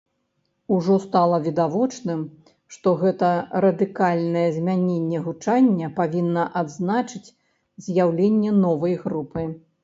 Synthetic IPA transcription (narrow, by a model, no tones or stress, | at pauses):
uʐɔst̪alˠɐvʲid̪avɔt͡ʂnɨm | ʂt̪ɔɣɛt̪ɐɾɐd̪ɨkalʲnɐjɛzʲmʲanʲenʲːɛɣut͡ʂanʲːɐpavʲinːɐʔad̪znat͡ʂɨt͡sʲ | zʲjawlʲenʲːɛnɔvɐjɣɾupɨ